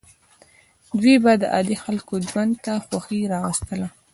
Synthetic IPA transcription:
d̪webad̪əʔɑ̰d̪ixalkod͡ʒwand̪t̪axwaxiɾɑɣəst̪əla

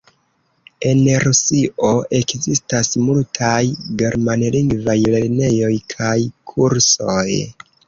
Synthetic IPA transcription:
e̞nɾusiʔoʔe̞kzistasmultʰajɡe̞ɾmanliŋɡvajle̞ɾne̞jo̞jkʰajkʰuɾsoj

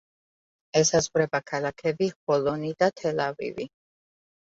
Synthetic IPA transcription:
ɛsazʁwɾɛbakʰalakʰɛbiχɔlɔnid̪at̪ʰɛlavḭvḭ

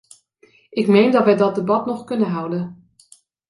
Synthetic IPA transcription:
ʔɪkmejndɑtʋɛjdɑt̚dəbɑtnɔχkɵnənɦʌwdən

